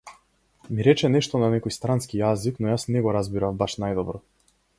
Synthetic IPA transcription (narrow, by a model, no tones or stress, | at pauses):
miɾɛt͡ʃɛnɛʃt̪ɔnanɛkɔjst̪ɾanskijaziknɔjasnɛɡɔɾazbiɾavbaʃnajd̪ɔbɾɔ